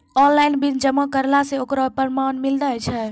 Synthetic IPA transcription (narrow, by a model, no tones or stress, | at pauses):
ɔnlajnbind͡ʒəmakəɾlaseokɾɔpəɾmanmildət͡ʃʰɛ